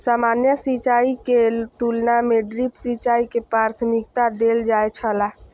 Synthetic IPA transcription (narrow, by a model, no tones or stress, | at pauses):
samanjəsit͡ʃaiket̪ulnameɖɾipsit͡ʃaikepɾaɾt̪ʰmikt̪ad̪eld͡ʒajt͡ʃʰəla